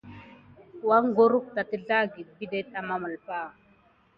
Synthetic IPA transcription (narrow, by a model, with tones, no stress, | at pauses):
wa˦ŋ˦ɡo˦ɾu˦k̚ta˨ti˦ɮa˦ɡi˨d̚bi˦de˦ta˨ma˦mə˨lpa˦˨